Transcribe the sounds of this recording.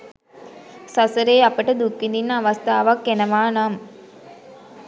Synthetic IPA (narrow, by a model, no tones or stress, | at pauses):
sɐsɐɾeːɐpəʈɐd̪ukːind̪inːʋɐst̪ʰaːʋɐkːenɐʋaːnaːm